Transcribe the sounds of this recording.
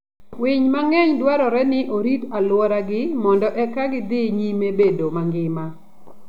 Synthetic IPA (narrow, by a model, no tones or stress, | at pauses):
wɪɲmaŋɛɲd̪waɾɔɾɛnɪʔoɾitalwɔɾaɡɪmɔndɔʔɛkaɡɪd̪ɪɲimebedomaŋɡɪma